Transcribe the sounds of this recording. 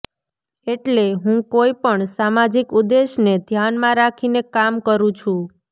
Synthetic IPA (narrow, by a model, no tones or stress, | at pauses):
eʈleɦũkoipəɳsamad͡ʒikud̪eʃned̪ʱjanmãɾakʰinekamkəɾũt͡ʃʰũ